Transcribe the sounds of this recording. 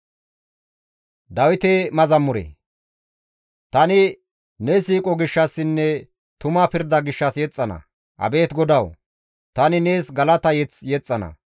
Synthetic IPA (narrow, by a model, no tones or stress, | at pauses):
d̪ɐwɪt̪emɐzɐmːʊɾɛ̰ | t̪ɐnɪ | nesiːkʼɔɡɪʃːɐsːɪnːɛ | t̪ʊmaːpɪɾd̪ɐɡɪʃːɐsjɛt͡sʼːɐnɐ̰ | ʔɐ̰be̞ːt̪ɡɔd̪ɐw | t̪ɐnɪne̞ːsɡɐlɐt̪ɐjɛt͡sjɛt͡sʼːɐnɐ̰